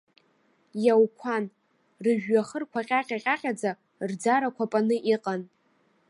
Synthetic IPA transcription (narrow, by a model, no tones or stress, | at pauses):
jawkʷʰan | rɨʒᶣːaχərkʷʰaqʲʼaqʲʼaqʲʼaqʲʼad͡za | rd͡zaɾakʷʰapʼanɨʔiqʼan